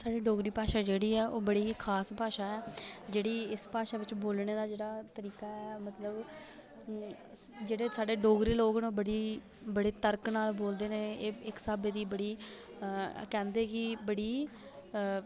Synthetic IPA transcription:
saːɖeːɖoːɡɾiːpaːʃaːd͡ʒeːɽiːɛːʔoːbəɽiːkʰaːspaːʃaːɛːd͡ʒeːɽiːɪspaːʃaːʋɪt͡ʃboːlneːd̪aːd͡ʒeːɽaːt̪əɾiːkaːɛːmət̪ləb | d͡ʒeːɽeːsaːɖeːɖoːɡɾiːloːɡnõːbəɽiː | bəɽeːt̪əɾknaːlboːld̪eːnẽːeːɪksaːbeːd̪iːbəɽiː | kɛ̃ːnd̪eːkɪbəɽiː

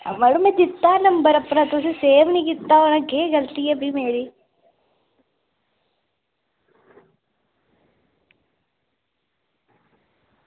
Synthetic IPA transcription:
ɐ̰mɐɽumed͡ʒit̪ːaːnɐmbɐɾɐpːɾɐt̪osiseːʋɐniɡit̪ːaːʋɐnɐkeːɡɐlt̪ijɐbimeːɾi

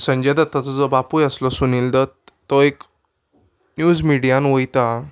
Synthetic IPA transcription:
səɲd͡ʑed̪at̪ːat͡sɔd͡zɔbapujəslɔsunild̪ət | t̪ːɔek | njud͡zmiɽijanʋojt̪a

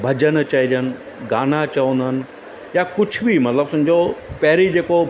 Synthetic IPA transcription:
bʱɐd͡ʑənt͡ɕɐid͡ʒənɪ̆ | ɡaːnat͡ɕɐʋə̃nd̪əɦənɪ̆ | jakʊd͡ʑʱʰbimɐt̪ləbsʊ̃ɲ̆d͡ʑopɐɦɪɾid͡ʑeːko

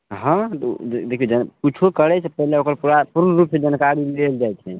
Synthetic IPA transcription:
ɦə̃t̪d̪ekʰiod͡ʒənput͡ʃʰokəɾɛt͡ʃʰɛpəɦileokəɾpuɾapuɾnəɾupsed͡ʒənkaɾileld͡ʒajtʰɛ

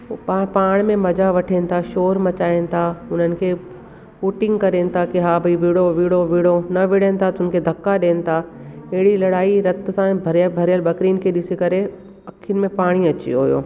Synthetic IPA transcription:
papaːɽ̃mẽmɐd͡ʑaʋɐʈʰenɪ̆t̪ʰaʃoːɾmɐt͡ɕaːɪnɪ̆t̪ʰaʊn̤ənɪ̆kʰeː | puːʈɪ̃ŋɡkɐɾeːnɪ̆t̪ʰakeɦabʱɐiʋiːɽoʋiːɽoʋiːɽonɐʋɪɽenɪ̆t̪ʰat̪ʊn̆kʰed̪ʱɐkːaɗeːnɪ̆t̪ʰaɐɦɪɽilɐɽaːiɾɐt̪̆sãbʱɐɾjəbʱɐɾijəlbɐkɾiːn̆kʰeːɗɪsikɐɾe | ɐkʰinmẽpaːɽ̃iɐt͡ɕḭɦo̰jo̰ː

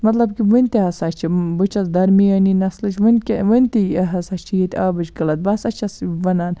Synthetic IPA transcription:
mɐt̪lɐbkiʋɨnʲt̪iɦɐsat͡ʃt͡ʃʰibɨt͡ʃʰɐsd̪ɐɾmiɐninɐslɨt͡ʃʋɨnʲkʲeʋɨnʲt̪iɦɐsaːʃt͡ʃʰijit̪ʲaːbɨt͡ʃkɐlɐt̪̚bɐsɐt͡ʃʰɐsʋɐnaːn

